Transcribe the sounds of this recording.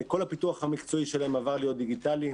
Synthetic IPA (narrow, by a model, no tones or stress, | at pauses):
ko̞lhapituaχhamikt͡so̞iʃelaemavaʁlijo̞t̪̚d̪iɡit̪ali